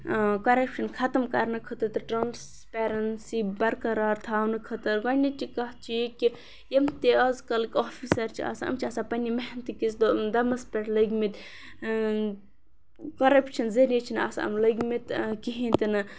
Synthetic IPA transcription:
kɐɾɐpʃɐnkʰɐt̪ɐmkɐɾnɨkʰɐt̪ɐɾt̪ɨʈɾans | peɾɐnsibɐɾkɐɾaːɾt̪ʰaːwnɨkʰɐt̪ɐɾɡɐnʲit͡ʃikɐɦt͡ʃʰijeki | jemt̪eɐzkɐlkʲoːfʰisɐɾt͡ʃʰia̰saɐ̰mt͡ʃʰiaːsapɐnʲimeɦnt̪ikisd̪ɐmɐspeʈlɐɡʲmit̪ | kɐɾɐpʃɐnzɐɾijet͡ʃʰina̰ːsɐ̰mlɐɡʲmit̪kiɦĩnt̪inɨ

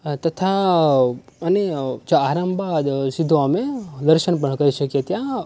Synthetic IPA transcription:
t̪ət̪ʰa | əned͡ʒoaɾəmbad̪sid̪ʱoamed̪əɾʃənp̬əɳkəɾiʃəkjet̪jã

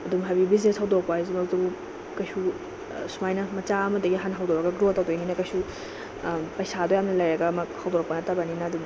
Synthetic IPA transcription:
ɐdumɦajbibizneshawdoɾɐk̚paizimɐkdubu | kɐjsu | sumajnɐmɐt͡ʃaɐmɐdɐɡiɦanɦawdoɾɐɡɐɡɾotːawdojninɐkɐjsu | pɐjsadojamnɐlɐjɾɐɡɐmɐhawdoɾɐk̚pɐnɐtɐbɐninɐːdum

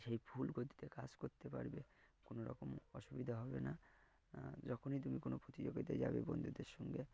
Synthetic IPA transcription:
ʃejpʰulɡot̪i̥t̪ekad͡ʑkoɾt̪epa̰ɾbekonoɾɔ̰komɔʃubid̪ʱaɦɔbena | d͡ʒɔkʰonit̪umikonopɾot̪id͡ʑoɡit̪ed͡ʑa̰bḛbɔnd̪ʱud̪eɾʃɔŋɡe

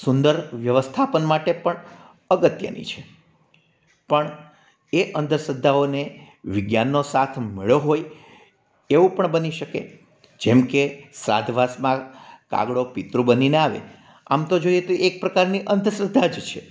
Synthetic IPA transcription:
sund̪əɾʋjəʋəst̪ʰapənmaʈepəɳ | əɡət̪jə̰nḭt͡ʃʰe̥ | pəɳ | eʔənd̪əsəd̪ʱːaone | ʋɪɡjanːosat̪ʰmeɭoɦoj | eʋũpəɳbəniʃəkḛ | d͡ʒɛmkesɾa̰d̪ʱʋasmãka̰ɡɽopit̪ɾũbənineaʋḛ | a̰mt̪od͡ʒoiet̪oʔek̚pɾəkaɾniʔənd̪ʱəsəd̪ʱːad͡ʒt͡ʃʰe

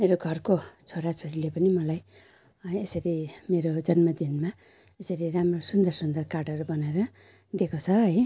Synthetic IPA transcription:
meɾoɡʱʌrkot͡sʰoɾat͡sʰoɾilepʌnimʌlaj | esʌɾimeɾod͡zʌnmʌd̪inma | esʌɾiramrosund̪ʌrsund̪ʌrkarʈʌɾubʌnaeɾʌ | d̪ekʰot͡sʰʌɦʌj

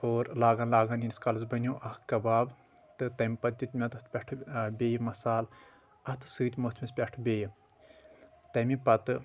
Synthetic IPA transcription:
oːɾlaːɡaːnlaːɡaːniniskɐlɐzbɐnʲoːʔɐhkɐbaːb | t̪ɨt̪ɐmʲpɐt̪̚ʲut̪ʲmʲɐt̪ɐt̪ʰpʲɐʈʰbʲeːjmɐsaːl | ɐt̪ʰɨ̥sɨːt̪ʲmɐt̪ʰmispʲɐʈʰbʲeːj | t̪ɐmipɐt̪ɨ

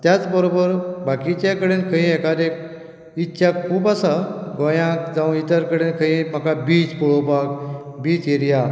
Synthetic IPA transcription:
t̪jat͡sbəɾobəɾbakit͡ɕakəɽenkʰəĩekad̪e | itːɕʰakʰuːpasaɡõjãkd͡zaũit̪əɾkəɽenkʰəĩm̤akabiːd͡zpɔɭobakbiːt͡seɾija

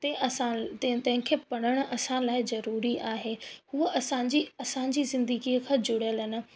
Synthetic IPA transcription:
t̪eʔɐsãt̪ɐ̃ɦɪ̃kʰeːpɐɽ̃əɽ̃ə̆ʔɐsãlaːɪzɐɾuːɾiʔaːɦeːhuəʔɐsãɲd͡ʑiɐsãːɲ̆d͡ʑiːzɪ̃nd̪əɡikʰãːd͡ʑʊɽjəlɦɪnə̆

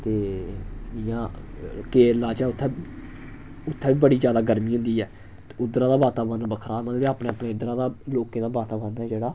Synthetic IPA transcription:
t̪eː | ɪjãːkeːɾlaːt͡ʃɛːʊt̪ʰːɛː | ʊt̪ʰːɛːbiːbəɽiːzjaːd̪aːɡəɾmĩːɦʊ̃nd̪iːɛː | t̪e̥ːʊd̪ɾãːd̪aːbaːt̪aːbənbəkʰɾaːmət̪liaːpneːəpɳeːʊd̪ɾãːd̪aːloːkẽːd̪aːbaːt̪aːbənɛːd͡ʒeːɽaː

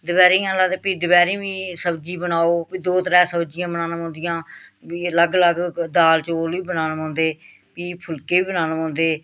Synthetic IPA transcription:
d̪əbɛːɾeːãːlaːd̪eːpiːd̪əbɛːɾẽːbiːsəbd͡ʒiːbənaːoːpiːd̪oːt̪ɾɛːsəbd͡ʒɪjãːbənaːnmɔ̃ːnd̪ɪjãːiələɡləɡd̪aːlt͡ʃoːlʋiːbənaːnːɔ̃ːnd̪eː | piːpʰʊlkeːʋiːbənaːnmɔ̃ːnd̪eː

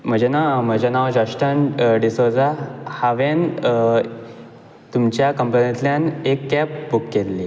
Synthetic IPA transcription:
m̤əd͡ʑenam̤əd͡ʑenaʋd͡ʑaʂʈənɖisod͡zahaʋen | t̪umt͡ɕjakəmpənat̪ljanekːɛp̚bukːelːiː

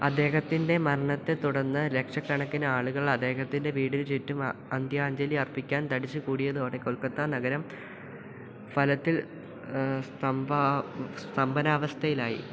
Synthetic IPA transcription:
ɐd̪ːe̞ːɦɐt̪ːinde̞mɐɾɐɳɐt̪ːe̞t̪uɽɐnːɨle̞kʂɐkːɐɳɐkːinɨaːɭuɣɐɭɐd̪e̞ːɦɐt̪ːinde̞ʋiːɽint͡ɕitːumɐnd̪jɐaːɲd͡ʑɐliɐrpːikʲːaːnt̪ɐɽit͡ɕːukuːɽijɐðuoːɽekoɭkːɐt̪ːanɐɣɐɾɐm | fɐlɐt̪ːil | st̪ɐmbast̪ɐmbɐnaːʋɐst̪ʰɐjilaːjḭ

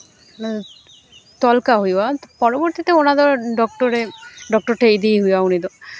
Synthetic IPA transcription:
t̪ɔlkaɦojbɔpɔɹɔbɔɾt̪it̪eonad̪ɔɹɖɔk̚ʈɔɾeɖɔk̚ʈɔɹʈejd̪ijɦujawnid̪ɔ

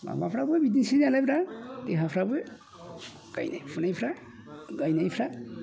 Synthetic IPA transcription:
ba̰bapʰɾabɔjbidinsinalajbɾateɦapʰɾabɔj | ɡ̥a̰jna̰jpʰunajpʰɾa | ɡajnajpʰɾa

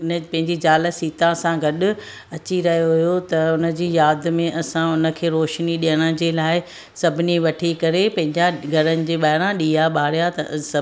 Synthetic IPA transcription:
npɐ̃ɦɪ̃ɲd͡ʑid͡ʑaːləsiːt̪ãsãɡɐɗʊ̆ | ɐt͡ɕiɾɐɦijoɦʊjot̪ɐʊnə̆d͡ʑiːjaːd̪mẽʔɐsãʊnə̆kʰeːɾoːʃniɗijəɽ̃əd͡ʑeːlaːɪ | sɐbʱɪniʋɐʈʰikɐɾepɐ̃ɦɪ̃ɲd͡ʑaɡʱɐɾənɪ̆d͡ʑeːɓaːɪɽãɗiːɦaɓaːɽijat̪ɐ̰sɐ

